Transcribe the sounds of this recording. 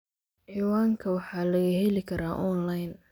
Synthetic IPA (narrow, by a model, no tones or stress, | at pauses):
ħiːwaːŋkʰɐwɑħɑːlɐɣɐhɛlɪkʰɐɾaːʔɔnlajn